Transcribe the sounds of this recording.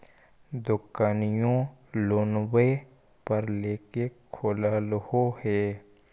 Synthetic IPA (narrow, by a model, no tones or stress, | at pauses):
d̪ʊkaːnɪjõloːnwe | pəɾleːkekʰoːləlhohɛː